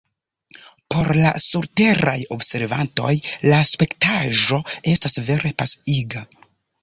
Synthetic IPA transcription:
po̞ɾla̰suɾte̞ɾajo̞bse̞ɾva̰nto̞̰jlaspe̞ktaʒo̞e̞stasve̞ɾe̞pasiɡa

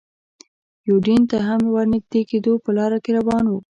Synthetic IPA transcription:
juɖint̪aɦamwaɾnɪɡd̪eked̪opəlɑɾakeɾawɑnwu

